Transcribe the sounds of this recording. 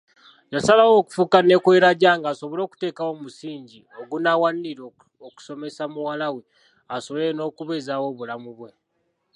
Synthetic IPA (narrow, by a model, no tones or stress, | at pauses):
jasalawo̞ku̥fukane̞kweɾaɟaːŋɡaːso̞βolo̞ːku̥te̞ːkawo̞musiːɲɟi | o̞ɡunawaniɾo | oku̥so̞me̞samuwalawe̞ | asoβeeno̞ːkuβe̞zawo̞βulamuβwe̞